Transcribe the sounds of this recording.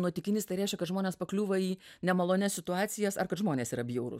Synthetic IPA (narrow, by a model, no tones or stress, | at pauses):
nuɔt̪ʲɪkʲɪnʲɪst̪ɐɪɾʲæɪʃʲɛkɐt̪ʒmoːnʲeːspɐklʲuːʋɐiːnʲɛmɐlˠoːnʲɛssʲɪt̪ʊɑːt͡s̪sʲɪjɛsɐ̰rkɐt̪ʒmoːnʲeːsiːɾɐbʲjɛʊɾʊ̰s